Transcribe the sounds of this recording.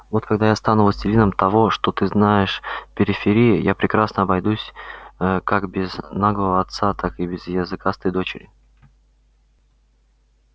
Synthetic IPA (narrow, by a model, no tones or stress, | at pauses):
vo̞t̪kɐɡ̚d̪ajast̪anuvəsʲtʲɪlʲinəmt̪ɐvo̞ʂt̪ot̪ɨznajɪʂpʲɪɾʲɪfʲɪɾʲijɪjapɾʲɪkɾasnəɐbɐjd̪usʲ | kakbʲɪznaɡlˠəvəɐt̪sat̪akɨbʲɪzjɪzɨkast̪əjd̪o̞t͡ɕɪɾʲɪ